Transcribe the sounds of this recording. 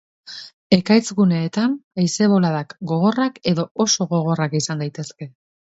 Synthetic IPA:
e̞kajt͡sɣune̞ːt̪anajse̞β̞o̞laðakɡo̞ɣo̞rake̞ðo̞oso̞ɣo̞ɣ̞o̞rakisand̪ajt̪e̞ske̞

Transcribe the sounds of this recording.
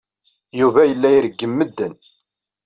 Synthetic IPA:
juvæjəlːæjɾəɡːəmːəd̪ːən

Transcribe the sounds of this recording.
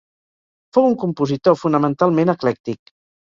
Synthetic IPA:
fowuŋkumpuzit̪ofunəmənt̪alˠmenəklɛk̚t̪ik

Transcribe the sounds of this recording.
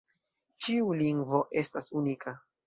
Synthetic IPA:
t͡ʃiuliŋɡvo̞ʔe̞stasunikʰa

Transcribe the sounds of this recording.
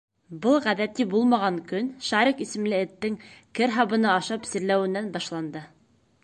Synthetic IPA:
bɤlˠʁæðæt̪ibulˠmɑʁɑŋkɵnʃɑɾiqisɘ̆mlɘɘ̆t̪ːɘŋkɘɾɦɑβɤ̆nɤɑʃɑpsɘ̆ɾlæwɘ̆nːænbɑʃlˠɑnd̪ɤ

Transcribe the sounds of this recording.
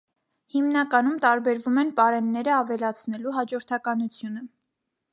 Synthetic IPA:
himnɑkɑnumt̪ɑɾbɛɾvumɛnpɑɾɛnːɛɾəɑvɛlɑt͡sʰnɛluɦɑd͡ʒɔɾt̪ʰɑkɑnut͡sʰjunə

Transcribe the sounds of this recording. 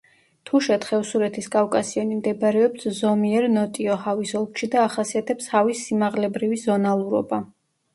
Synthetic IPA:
t̪ʰuʃɛt̪χɛfsuɾɛt̪ʰiskʼafkʼasiɔnimd̪ɛbaɾɛɔpszɔmiɛɾnɔt̪ʼiɔhavisɔlˠkʃid̪aːχasiat̪ʰɛpshavisːimaʁlɛbɾivizɔnalˠuɾɔ̰ba

